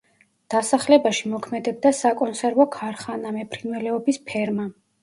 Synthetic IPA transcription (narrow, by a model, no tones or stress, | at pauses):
d̪̥asaχlɛbaʃimɔkʰmɛd̪ɛb̚d̪asakʼɔnsɛɾvɔkʰaɾχanamɛpʰɾinvɛlɛɔbispʰɛɾma